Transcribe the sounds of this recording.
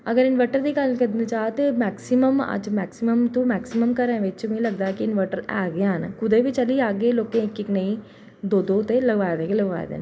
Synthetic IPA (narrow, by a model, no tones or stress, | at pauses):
əɡəɾɪnʋəʈəɾd̪iːkəlkəd̪net͡ʃaːt̪emɛːksɪməmə̰d͡ʒmɛːksɪməmt̪ũːmɛːksɪməmkəɾə̃ːʋɪt͡ʃmʊĩləɡ̚d̪aːɛkɪɪnʋəʈəɾɛ̰ːɡeənkʊd̪eːʋit͡ʃəliːaːɡeːloːkẽːɪkːɪknəĩː | d̪oːd̪oːt̪eːləɡʋaːed̪eːɡeːləɡʋa̰ːḛːd̪ḛːnː